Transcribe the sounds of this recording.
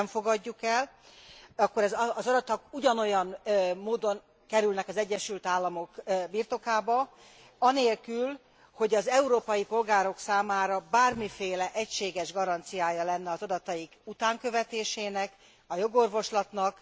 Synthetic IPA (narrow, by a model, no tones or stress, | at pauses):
mfo̞ɡɒɟːukɛl | ɒkːo̞ɾɛzzɒd̪ɒt̪ɒkuɟɒno̞jɒnmoːd̪o̞ŋ | kɛɾylnɛkɒzɛɟːɛʃylt̪aːlːɒmo̞kbirt̪o̞kaːbɒ | ɒneːlkyl | ho̞ɟɒzɛuɾoːpɒjipo̞lɡaːɾo̞ksaːmaːɾɒbaːrmifeːlɛʔɛcʃeːɡɛʒɡɒɾɒnt̪sijaːjɒlɛnːɛɒzɒd̪ɒt̪ɒjiɡut̪aːŋkø̞vɛt̪eːʃeːnɛk | ɒjo̞ɡo̞rvo̞ʃlɒt̪nɒk